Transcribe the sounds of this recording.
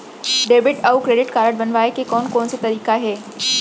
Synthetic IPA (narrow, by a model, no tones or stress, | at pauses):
ɖeːbɪʈaukɾeːɖɪʈkaːɾəʈ̚bɐnʋaːekekɔːnkɔːnset̪ɐɾiːkaɦɛː